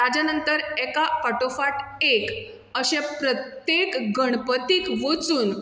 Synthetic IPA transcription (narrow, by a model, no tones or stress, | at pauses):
ad͡ʑanənt̪əɾɛkafaʈofaʈek | əɕẽpɾət̪jekɡʱəɳpət̪ikʋot͡suːn